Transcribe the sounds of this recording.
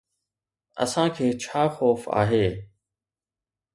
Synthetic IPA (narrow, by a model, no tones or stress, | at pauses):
ə̰sãːkʰeːt͡ɕʰaːxoːfa̰ːɦeː